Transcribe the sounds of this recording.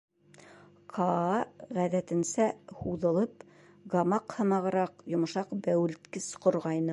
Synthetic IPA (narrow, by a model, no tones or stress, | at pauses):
qʰɑɑʁæðæt̪ɘ̆nsæhuðɤ̆lˠɤp | ɡɑmɑqhɤ̆mɑʁɤ̆ɾɑqjŏmŏʃɑqbæwɘ̆lt̪kɘsqŏɾʁɑjnɤ